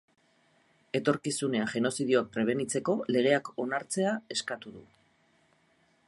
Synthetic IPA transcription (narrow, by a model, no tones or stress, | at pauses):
e̞t̪o̞ɾkisune̞aʝe̞no̞sið̞io̞ak̚pɾe̞β̞e̞nit͡se̞ko̞le̞ɣ̞e̞ako̞naɾt͡se̞ae̞skat̪uðṵ